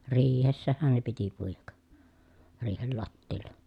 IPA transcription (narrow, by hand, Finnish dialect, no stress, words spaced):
riːhesːæhæn ne piti puijɑk riːhel lɑtːiːlːɑ